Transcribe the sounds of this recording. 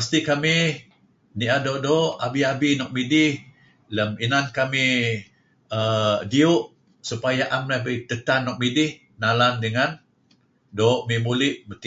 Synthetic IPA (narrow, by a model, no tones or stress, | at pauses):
ast̪ikami | niʔadoʔdoʔabiabinɔk̚midɪh | ləminankami | ədiuʔ | supajaʔamlahbət̪ət̪anːɔk̚midɪh | nalandəŋan | doʔmimulɪʔbət̪